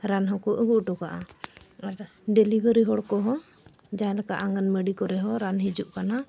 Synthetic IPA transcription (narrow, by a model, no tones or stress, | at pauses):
ɾanɦɔ̃kɔʔəɡuʔʈɔkaʔaaɾ | ɖɛlibəɾiɦɔɽkɔɦɔ | d͡ʒãlɛka̰ʔaŋɡənməɖikɔɾɛɦɔɾanɦid͡ʒuʔkana